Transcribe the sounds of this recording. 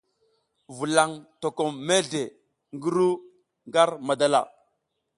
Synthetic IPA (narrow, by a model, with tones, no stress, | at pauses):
vu˨la˨ŋto˨ko˨me˦ɮe˨ | ŋɡə˦ɾu˦ | ŋɡa˦ɾma˨da˨la̰˨